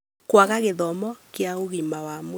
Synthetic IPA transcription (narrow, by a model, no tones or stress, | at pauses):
kwaɣaɣeðɔmɔkeaoɣimawamo